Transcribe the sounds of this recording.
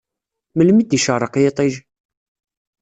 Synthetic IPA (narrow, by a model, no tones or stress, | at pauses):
məlmid̪iʃɑɾˤəqjet̪ˤiʒ